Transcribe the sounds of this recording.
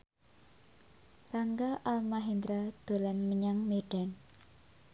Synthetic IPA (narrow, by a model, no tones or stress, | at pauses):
raŋɡaʔalmaɦind̪ɾad̪̥o̤lanməɲaŋmeɖ̥an